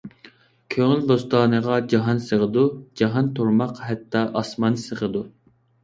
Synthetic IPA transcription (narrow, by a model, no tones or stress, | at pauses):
kʲʰøŋɪlb̪ost̪ɑːnəʁɑd͡ʒɑɦɑnsəʁəd̪ud͡ʒɑɦɑnt̪ʰuɾmɑqhɛt̪ʰːɑʔɑsmɑnsəʁəd̪u